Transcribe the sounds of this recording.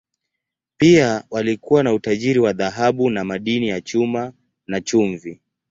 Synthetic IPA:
piawalikuwanautaʄiɾiwaðaɦaɓunamaɗinijat͡ʃuma | nat͡ʃuɱvi

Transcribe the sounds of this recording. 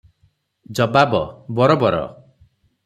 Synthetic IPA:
d͡ʒɔbabɔbɔɾɔbɔɾɔ̰

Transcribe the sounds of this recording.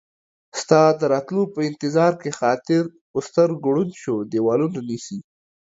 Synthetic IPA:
st̪ɑd̪əɾɑt̪lupəɪnt̪ɪzɑɾkexɑt̪ɪɾ | ʊst̪əɾɡɽunʃod̪ewɑlunanisi

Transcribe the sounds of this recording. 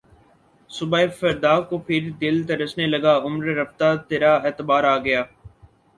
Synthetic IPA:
sʊbaːefəɾd̪aːkopʰɪɾd̪ɪlt̪eɾəsneləɡaːʊmɾːəft̪at̪eːɾaːeːt̪əbaːɾaːɡɐjaː

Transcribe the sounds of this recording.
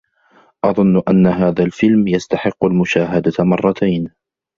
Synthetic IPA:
ʔɑðˤʊnːʔanːaɦaːðalfɪlmjast̪aħɪqːʊlmʊʃaːɦad̪amɑrˤːɑt̪ʰajn

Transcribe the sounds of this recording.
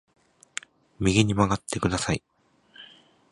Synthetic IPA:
mʲiɡʲiɲ̟imaɡat̪ːe̞kɯ̟d̪asai

